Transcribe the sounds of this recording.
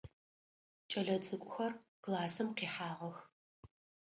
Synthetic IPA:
t͡ʃʼɐɮɐt͡sʰʼɨkʷʼʊxɐrkʰlaːsɨmqiːħaːʁɐx

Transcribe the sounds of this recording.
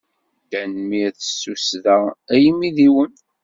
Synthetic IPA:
dænmiθə̥sːusðææjmːiðiwən

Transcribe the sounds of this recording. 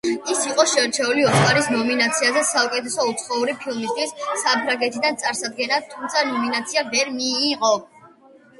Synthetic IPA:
isiqʼɔʃɛɾt͡ʃʰɛuliɔt̪sʰʼaɾisnɔminat̪sʰiazɛsaukʼɛt̪ʰɛsɔut̪sʰχɔuɾipʰilˠmist̪ʰwisːapʰɾaŋɡɛt̪ʰid̪ant̪sʼaɾsad̪̚ɡɛnat̪ʰumt̪sʰanɔminat̪sʰiavɛɾmiːqʼɔ

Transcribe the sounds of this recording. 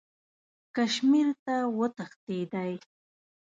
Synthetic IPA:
kaʃmɪɾt̪awət̪aχt̪ejd̪aj

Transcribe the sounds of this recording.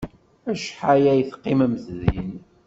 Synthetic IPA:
æʃħajæjθqːɪməmθðin

